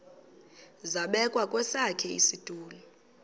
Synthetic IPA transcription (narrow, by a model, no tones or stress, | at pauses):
zaɓɛkʼwakʼwɛsakʰɛḭsid̥ʱuːlɔ